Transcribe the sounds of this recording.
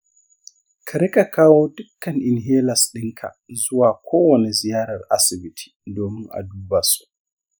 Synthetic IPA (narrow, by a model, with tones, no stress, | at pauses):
kʰa˨ɾi˦ka˨kʰaː˦woː˦dʊ˦kːɐ˨nʔɪ˨nɦeː˦la˨sɗɪ˦ŋkʰa̰˨zʊ˦waː˨kʰoː˦wɔnizɪ˨jaː˦ɾɐ˨rʔa̰si˨bitʰi̥˨doː˨mɪ˦ŋʔa̰˨duː˦basu̥